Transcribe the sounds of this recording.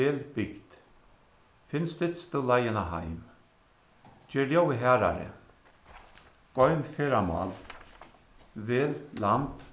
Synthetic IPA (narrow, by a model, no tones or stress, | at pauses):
eːlbɪɡd̪̥ | fɪnst̪ɪt̪st̪ulajənaɦa̰jm | d͡ʒeːljowəɦɛːɾa̰ɾə̰ | ɡ̥ɔjmfeːɾama̰l | veːllamp